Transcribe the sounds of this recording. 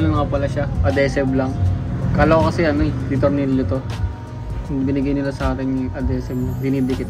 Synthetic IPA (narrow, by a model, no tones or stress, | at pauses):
lɐnɐkɐpɐlaʃaʔɐd̪ɛsɛblɐŋkaːlookɐsɛʔɐnoɛd̪it̪oɾniljot̪o̞ | bɪnɪɡajnɪlasɐʔaːt̪ɪnʊŋʔɐd̪ɛːsɛb̚mobɪnibɪkɪt̪